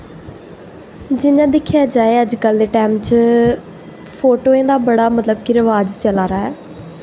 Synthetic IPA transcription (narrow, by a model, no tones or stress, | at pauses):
d͡ʒɪnãːd̪ɪkʰːjaːd͡ʒaːeːəd͡ʒkəld̪eːʈɛːmt͡ʃ | pʰoːʈoːẽːd̪aːbəɽaːmət̪ləb̚kiɾəʋaːd͡ʒt͡ʃəlaːɾaːɦɛː